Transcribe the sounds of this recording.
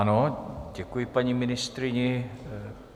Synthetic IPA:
anoɟɛkujipaɲimɪnɪst̪ɾɪɲɛ

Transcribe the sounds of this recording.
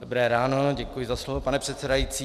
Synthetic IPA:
dobɾɛːɾaːnoɟɛkujɪzaslovopanɛpr̝̥ɛt̪sɛdajit͡siː

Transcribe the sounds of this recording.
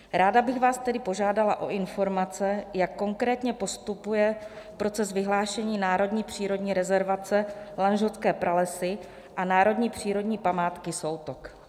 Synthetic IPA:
ɾaːdabɪɣvaːst̪ɛdɪpo̞ʒaːdalaʔo̰ʔɪnfo̞ɾmat͡sɛjakːo̞ŋkɾɛːt̪ɲɛpo̞st̪upujɛ | pɾo̞t͡sɛzvɪɦlaːʃɛɲiːnaːɾo̞dɲiːpr̝̥iːɾo̞dɲiːɾɛzɛɾvat͡sɛlanʒotskɛːpɾalɛsɪ | ʔanaːɾo̞dɲiːpr̝̥iːɾo̞dɲiːpamaːt̪kɪsowt̪ok

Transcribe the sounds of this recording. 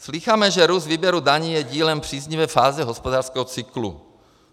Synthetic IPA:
sliːxamɛʒɛɾuzviːbjɛɾudaɲiːjɛɟiːlɛmpr̥iːzɲivɛːfaːzɛɦospodaːrskɛɦɔt͡sɪklṵ

